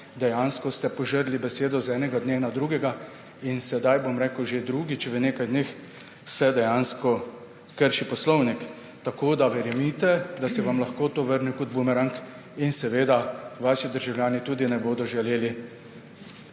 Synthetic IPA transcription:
d̪ɛjaːnskɔst̪ɛpɔʒəɾlibɛseːd̪ɔzɛːnɛɡad̪nenad̪ɾuːɡɛɡa | insɛd̪ajbomɾeːkəwʒed̪ɾuːɡit͡ʃɛʋəneːkajd̪neːx | sɛd̪ɛjanskɔ | kəɾʃipɔslɔwnik | t̪akoːd̪aʋɛɾjɛmit̪ɛd̪asɛʋamlaxkoːt̪oːʋəɾnukɔd̪̚bumɛɾaŋk | insɛʋeːd̪aʋaːʃid̪əɾʒawljaːnit̪uːd̪inɛboːd̪ɔʒɛleːli

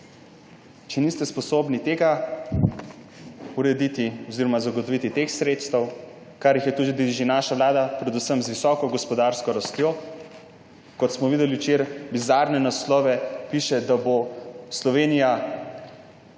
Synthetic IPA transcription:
t͡ʃɛnist̪ɛspɔsoːbnit̪eːɡa | uɾɛd̪it̪iɔziɾɔmazaɡot̪ɔʋit̪it̪exsɾeːt̪st̪əw | kaɾjixjɛt̪ud̪id̪iʒinaʃaʋlaːd̪apɾɛd̪usəmzʋisɔːkɔɡɔspɔd̪aɾskɔɾast̪jo | kɔt̪smɔʋiːd̪ɛliwt͡ʃeɾbizaɾnɛnaslɔːʋɛpiʃɛd̪aboslɔʋeːnija

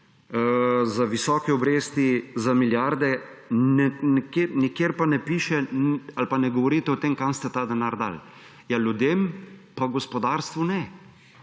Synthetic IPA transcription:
zaʋisɔkɛɔbɾeːst̪izamiljaɾd̪ɛ | nɛnikenikjeɾpanɛpiːʃɛalpanɛɡɔʋɔɾiːt̪ɛɔt̪emkamst̪ɛt̪ad̪ɛnaɾd̪a̰l | jaljud̪eːmpaɡɔspɔd̪aɾst̪ʋunɛ

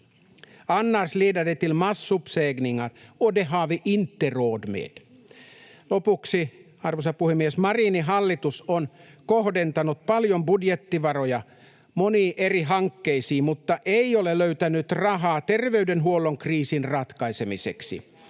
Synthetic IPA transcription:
ɑnːɑrsliːdɑdet̪ilmɑsːupseːɡniŋɑnodeɦɑʋeʔint̪ːeroːdmḛːd̥̪ | lopuksi | ɑrʋosɑpuhemːiesmɑriːniɦɑlːit̪usonkohdent̪ɑnut̪̚pɑljombudjet̪ːiʋɑrojɑ | moniːʔeriɦɑŋkːeisiːmut̪ːɑʔeioleløyt̪ænyt̪rɑɦɑːt̪erʋeydenɦuolːoŋkriːsinrɑt̪kɑisemisḛksḭ

